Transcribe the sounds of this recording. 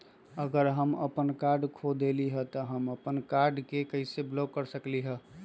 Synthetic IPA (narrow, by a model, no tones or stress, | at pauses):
əɡəɾɦəməpənkaɾɖkʰod̪eliɦət̪ɔɦəməpənkaɾɖkekəɪseblokːəɾsəkliɦə